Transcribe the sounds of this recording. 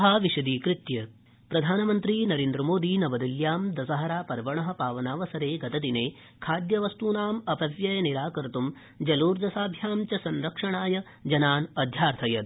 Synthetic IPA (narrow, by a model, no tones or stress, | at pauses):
ɦaːʋiʃɐd̪iːkɾɪt̪jɐ | pɾɐd̪ʱaːnɐmɐnt̪ɾiːnɐɾeːnd̪ɾɐmoːd̪iːnɐʋɐd̪iljaːmd̪ɐsɐɦɐɾaːpɐɾʋɐɳɐɦɐ̆paːʋɐnaːʋɐsɐɾeːɡɐt̪ɐd̪ineː | kʰaːd̪jɐʋɐst̪uːnaːmɐpɐʋjɐjɐniɾaːkɐɾɐt̪um | d͡ʒɐluːɾd̪ɐsaːbʱjaːmt͡ʃɐsɐnɾɐkʂɐɳaːjɐ | d͡ʒɐnaːnɐd̪ʱjaːɾt̪ʰɐjɐt̪